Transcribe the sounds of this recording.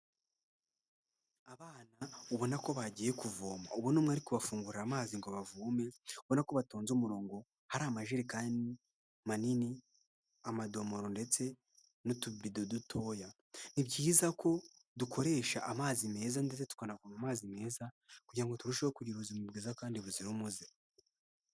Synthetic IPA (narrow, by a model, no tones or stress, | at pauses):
aβaːnauβo̞nako̞βaɟije̞kuvoːma̰uβonomwaːɾikuβafuːŋɡuɾiɾamaːziŋɡoβavuːme̞oβo̞nako̞βatoːnzomuɾo̞ːŋɡo̞ | haɾamaʒeɾikaːndi | manini | amado̞moɾo̞nde̞t͡se̞ | notuβidodutʰo̞ja | nibɟiːzakʰo̞ | duko̞ɾe̞ːʃaʔamaːzime̞ːzandet͡setu̥kanakumamaːzime̞ːza | kuɟiɾaŋɡo̞tuɾuʃoβokuɾiɾuzimubɡiːzakaːndiβuziɾumuzi